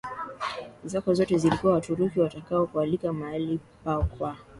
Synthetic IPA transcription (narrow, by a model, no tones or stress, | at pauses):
zakɔzɔtɛzilikuwawatuɾukiwatakaɔkualikamaalipakwa